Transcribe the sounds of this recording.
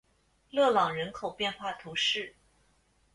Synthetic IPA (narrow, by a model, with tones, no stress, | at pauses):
lɤ˥˩lɑ˨˩ŋɻə˧˥nkʰo˨˩ʊpjɛ˥˧nxwa˥˩t̪ʰu˧˥ʂɻ̩˥˩